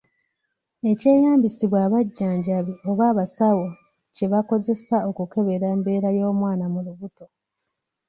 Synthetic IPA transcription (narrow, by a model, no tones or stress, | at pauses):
e̞ce̞ːjaːmbisiβwaːβaɟːaːɲɟaβio̞βaːβasawo | ce̞βako̞ze̞sao̞kuke̞βe̞ɾaːmbe̞ːɾajo̞ːmwaːnamuluβuto̞